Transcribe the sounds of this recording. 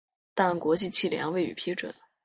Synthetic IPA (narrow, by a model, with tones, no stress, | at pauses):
t̪a˥˩nkwɔ˧˥t͡ɕi˥˧t͡ɕʰi˥˩ljɛ̰˧˥ŋwe˧˥˩ɪy̰˨˩pʰi˥ʈ͡ʂwə̰˨˩˦n